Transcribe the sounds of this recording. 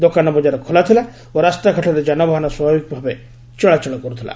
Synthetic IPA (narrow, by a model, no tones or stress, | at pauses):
d̪okanɔbɔd͡ʒaɾɔkʰɔlat̪ʰila | oɾast̪aɡʱɔʈʰɔɾed͡ʒanɔbʱaɦɔnɔswɔbʱabik̚bʱabe | t͡ʃɔɭat͡ʃɔɭɔkɔɾut̪ʰila̰